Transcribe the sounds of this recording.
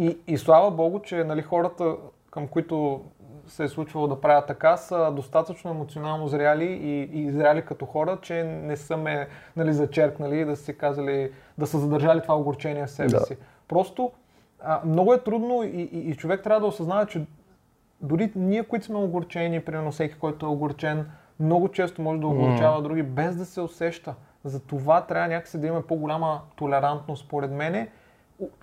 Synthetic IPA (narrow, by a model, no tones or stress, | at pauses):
iːslˠavəbɔɡʊt͡ʃɛnɐlixɔɾət̪ə | kəmkʊit̪ʊ | sɛɛslˠut͡ʃvɐlˠod̪ɐpɾavʲjət̪ːɐkasəd̪ost̪at̪ət͡ʃnoɛmot̪sionalˠnozɾʲjaliiːzɾʲjalikɐt̪ɔxɔɾət͡ʃɛnɛsəmɛnɐlizɐt͡ʃɛɾknəliːd̪ɐsɛkazəlid̪ɐsəzɐd̪ɐɾʒalit̪ovaoɡoɾt͡ʃɛnʲiɛfsɛbɛsi | pɾɔst̪o | əmnɔɡʊɛt̪ɾud̪noiʔiːt͡ʃovɛk̚t̪ɾʲavəd̪ɐosɐznavɛt͡ʃɛ | d̪ʊɾiniɛkoit̪smɛʊɡʊɾt͡ʃɛnipɾimɛɾnʊfsɛkʲi̥kɔjt̪oɛoɡoɾt͡ʃɛn | mnɔɡʊt͡ʃɛst̪omɔʒɛd̪ɐoɡʊɾt͡ʃavɐd̪ɾuɡʲibɛzd̪ɐsɛosɛʃt̪ə | zɐt̪ovat̪ɾʲabvənʲakə̥sid̪ɐimɐmɛpoɡolʲamət̪olɛɾant̪nost̪spoɾɛt̪mɛnɛ